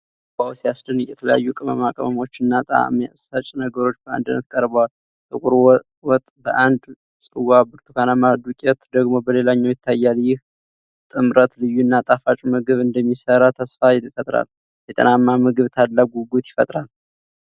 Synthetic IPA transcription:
bawsijasdɨnjɛt̪ʰələja̰jːukʼɨmə̰makʼəməmo̞t͡ʃːɨnːat̪ʼa̰ma̰ʔsət͡ʃʼnəɡəɾo̞t͡ʃːbəa̰nd̪ɨnːə̰t̪kʼəɾbəwal | t̪ʼɨkʼʊɾ | wɔt̪ʼbəʔand̪ | sʼɨwabɨɾt̪ʰukʰanamad̪ukʼɛt̪d̪əɡmo̞bəle̞laɲːawjɪt̪ʰːajːaljɪh | t̪ʼɨmɾət̪lɨjːuɨnːat̪ʼafat͡ʃʼmɨɡɨβɨnd̪əmːisəɾat̪ʰəsfajɪt̪fət̪ʼɾa̰l | jɛt̪ʼə̰namːamɨɡɨβt̪ʰad̪laɡuɡut̪jɪ̥fət̪ʼɾal

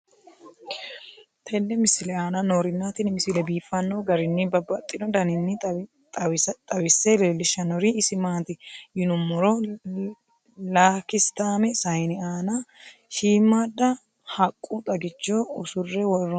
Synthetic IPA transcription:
t̪ʰɛnːɛmɪsɪlɛaːnɐnoːɾɪnːaːt̪ɪnmɪsɪlɛbiːfːɐnːoːɡɐɾɪnːɪbɐbːɐt̪ʼːɪdɔd̪ɐnɪnːɪ | tʼt̪ʼɐwɪsːɛleːlːɪʃːɐnɔɾiɪsɪmaːt̪ɪjɪnʊmːɔɾɔ | laːkɪst̪aːmɛsɐjnɪaːnɐʃiːmːad̪ːɐ | hɐkʼːut̪ʼɐɡɪt͡ʃːoʊsʊrːɛwɔrːɔ

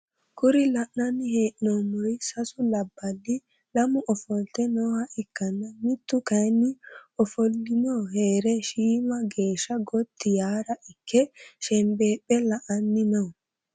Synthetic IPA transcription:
kʊɾɪlɐʔnɐnːɪheːnoːmːɔjsɐsʊlɐbːɐlːɪ | lɐmʊʔɔfɔlt̪ɛnoːhɐʔɪkːɐnːɐmɪt̪ːʊkɐjnːɪɔfɔlːɪnoːheːɾɛʃiːmɐɡe̞ːʃːɐɡɔt̪ʰːɪjaːɾɐʔɪkʰːɛʃɛmbeːpʼːɛlɐʔɐnːɪnɔ

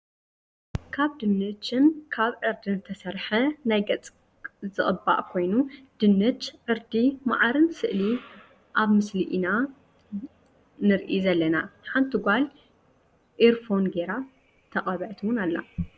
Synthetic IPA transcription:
kʰaβd̪ɨnːɨt͡ʃɨnkʰaβʕɨɾd̪inzɨt̪ʰɐsɐɾħɐnajɡɐt͡sʼ | zɨχʼɨba̰ʔkʰo̞jnud̪̥ɨnːɨt͡ʃʕɨɾd̪ima̰ʕaɾɨnsɨʔli | ʔaβmɨsliʔina | nɨɾʔizɐlːɐnaħant̪ʰɨɡʷal | ʔiɾfo̞nɡeɾa | t̪ʰɐχʼɐβɐʕt̪ʰwʊnalːa̰

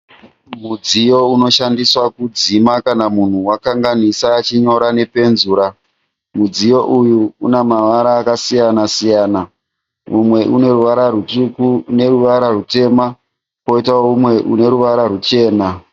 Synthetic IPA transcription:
mud͡zijo̞uno̞ʃandiswakud͡zimakanamun̤uwakaŋɡanisaːt͡ʃiɲo̞ɾane̞pe̞nzuːɾa | mud͡zijo̞ʔujuːnemaʋaɾaːkasijanasijaːna | mumwe̞ʔune̞ɾuʋaɾarutukune̞ɾuʋaɾarute̞ma | ko̞itaoumwe̞ʔune̞ɾuʋaɾarut͡ʃe̞ːna

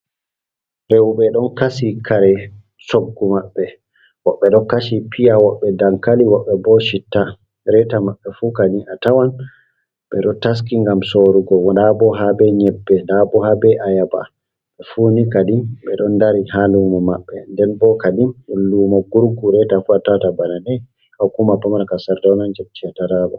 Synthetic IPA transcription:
ɾewɓɛɗɔnkasikʰaɾɛ | soɡːumaɓːɛ | wɔɓːɛɗɔkaʃipʰijawɔɓːɛdaŋkaliwɔɓːɛbɔʃitːa | ɾɛtamaɓːɛfukadiatawan | ɓɛ̰ɗɔtas̬kiŋɡamsoɾuɡɔwɔdabɔɦabɛɲɛbːɛdabɔhabɛʔajaba̰ | ɓɛfunikadimɓɛɗɔndaɾihalumɔmaɓːɛndɛnbɔkadimɗullːumɔɡuɾɡuɾɛtafuatawatabananɛ | hakumapamankasaɾdɔnand͡ʒot͡ʃːiataɾabɔ

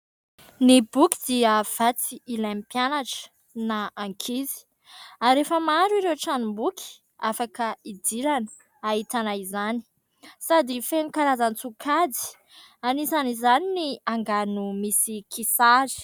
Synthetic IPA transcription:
nibuki̥d̪̥iəv̥at͡siilampjanaʈ͡ʂə̥ | naaŋkʰizi̥ | aɾefəmaɾuiɾewʈ͡ʂanumbuki̥ | afakəid̪iɾanə̥ | ait̪anaizani̥ | sad̪ifenikaɾazant͡sukʰad͡z̪i̥ | anisanizaniniaŋɡanumisikʰisazi̥

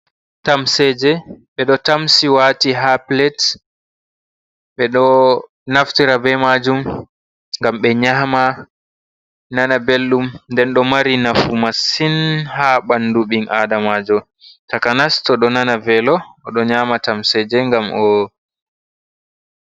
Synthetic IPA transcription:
tamsɛd͡ʒɛɓɛɗɔtamsiwaːtiɦaplɛt | ɓɛɗɔ | naftiɾabɛmad͡ʒum | ŋɡamɓɛɲama | nanabelːumndɛnɗɔmaɾinafumasinhaɓanduɓiŋʔadamad͡ʒɔ | takanastɔɗɔnanavɛlɔʔːɗɔɲaːmatamsɛd͡ʒɛŋɡamʔɔ

